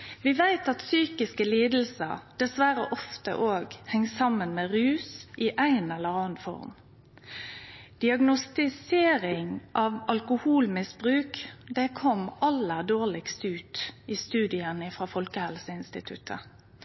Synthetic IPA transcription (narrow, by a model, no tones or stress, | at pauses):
ʋɪʋæɪt̪ɑt̪syːkɪskəliːd̪l̩sə̰ɾd̪ɛsʋæɾə̰ʔɔft̪ə̰ʔoːɡhɛŋsɑmənmeːʁʉːsɪʔæɪnɛlːəɾɑːnfɔ̰ɾm | d̪̥ɪɑɡnʊst̪ɪseːɾɪŋʔɑʋɑlkʊhuːlmɪsbʁʉːkd̪ɛkʰɔmɑlːəd̪oːʁɭɪkst̪ʉːt̪ɪst̪ʉːd̪ɪənəɪfɾɑːfɔlkəhɛlsəɪnst̪ɪt̪ʰʉt̪ʰə̰